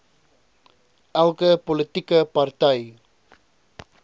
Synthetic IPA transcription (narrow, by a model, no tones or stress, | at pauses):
ʔalkəpolət̪ikəpart̪aj